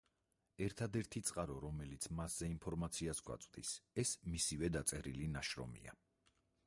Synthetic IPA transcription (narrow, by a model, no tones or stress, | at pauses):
ɛɾt̪ʰad̪ɛɾt̪ʰit̪sʼqʼaɾɔɾɔmɛlit̪sʰmasz̥ɛinpʰɔɾmat̪sʰiasɡwa̰t̪sʼd̪isɛsmisivɛd̪at̪sʼɛɾilinaʃɾɔ̰mḭa̰